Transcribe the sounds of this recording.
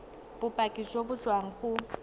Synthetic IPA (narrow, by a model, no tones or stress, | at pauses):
b̥ʊpʼakʼisobʊd͡ʒwaŋ̩χʊ